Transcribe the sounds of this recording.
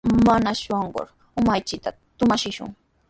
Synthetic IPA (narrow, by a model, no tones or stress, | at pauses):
manaʃoɴɢo̰ɾ | ʊmajt͡ʃɪt̪a | t̪ʊmaʃɪʃʊ̰ŋ